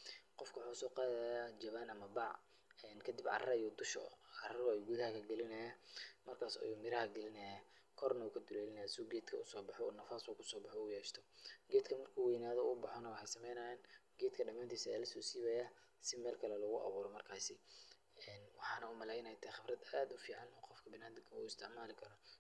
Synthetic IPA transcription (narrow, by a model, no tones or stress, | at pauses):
qɔfkʰɐwħuːsɔːqɑːðajad͡ʒɐβaːnɐmɐbɑʕ | ɛːnkʰɐd̪ɪbʕɑ̰rɐjɔd̪ʊʃɔ̰ɑrɾɔɛjɡuðɐhɐkʰɐɡɛlɪnɐjamɐrkʰaːsɔ̰juːmɪɾɐhɐɡɛlɪnɐjakʰɔrnɐukʰɐd̪ʊlɛːlɪnɐjsɪuːɡɛːd̪kʰɐʊsɔːbɑħɔṵnɐfaːsuːkʰʊsɔːbɑħɔjɛːʃt̪ʰɔɡɛːd̪kʰɐmɐrkʰuːwɛjnaːðɔbɑħɔnɐwɑħejsɐmɛjnɐjɛːnɡɛːd̪kʰɐɖɐmaːnt̪ʰiːsɐɛlɐsɔːsiːβɐja | sɪmɛːlkʰɐlɛlɔɣʊʔɑ̰βuːɾɔmɐrkʰaːsɪ | ɛːnwɑħɑːnɐuːmɐlɛːjnɐjt̪ʰɛχɪbrɐd̪ɐːd̪ʊfiːʕɑnɔːqɔfkʰɐbɪnaːd̪ɪŋkʰɐṵːɪst̪ʰɪʕmaːlɪkʰɐɾɔ